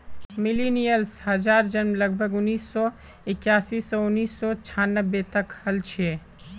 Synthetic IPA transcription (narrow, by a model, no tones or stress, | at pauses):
milinijəlshəd͡ʒaːɾd͡ʒənmləɡ̚bʱəɡʊnːiːsːɔ | ɪkjaːsisɔʊnːiːsːɔt͡ʃʰanːəbːet̪əkhəlt͡ʃʰe